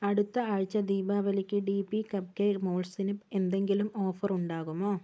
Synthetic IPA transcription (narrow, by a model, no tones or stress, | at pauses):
ɐɽɯt̪ːɐɐɻt͡ʃːɐd̪iːbaːʋɐlɪkʲːɯɖiːpikɐb̚keːmoːlsɪnɪpːɛnd̪ɛŋɡɪlɯmoːfɐɾʊɳɖaːɣɯmoː